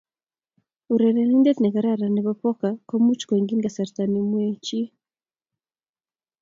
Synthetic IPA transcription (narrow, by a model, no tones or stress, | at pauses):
uɾɛnɛnindɛtnɛɣaɾaɾaniβapɔkakɔmut͡ʃkɔŋɡiŋɡasaɾtanimwɛt͡ʃi